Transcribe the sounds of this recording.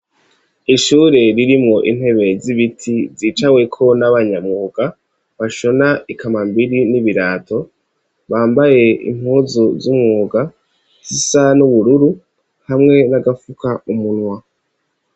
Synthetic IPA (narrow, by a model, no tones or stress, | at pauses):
iʃuːɾe̞ɾiɾimŋo̞ʔin̥he̞βe̞ziβitʰiziːt͡ʃawe̞kʰo̞naβaɲamŋuːɡ̥a | βaʃo̞naikamambiɾiniβiɾaːtʰo̞ | βaːmbaje̞ḭm̥huːzuzumŋuːɡa | z̥isanuβuɾuɾu | hamŋe̞naɡafukʰaumunwa